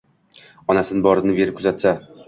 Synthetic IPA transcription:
ɒnasɪnɪbɒɾnɪbe̞ɾɪp̚kʰʊzat̪sa

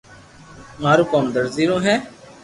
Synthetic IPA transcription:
maːɾũːkɔːmd̪əɾziːɾõːɦɛː

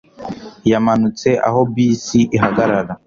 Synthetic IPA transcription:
jamanut͡se̞ʔa̰ho̞bisiʔiɦaɡaɾala

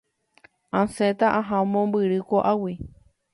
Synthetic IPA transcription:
ãset̪aʔãɦãmõmbɨɾɨkoʔawi

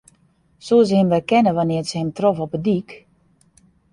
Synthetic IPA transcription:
soːs̬əhɪmʋɛkɛnəʋanɪərtsəhɪmtrofɔpədik

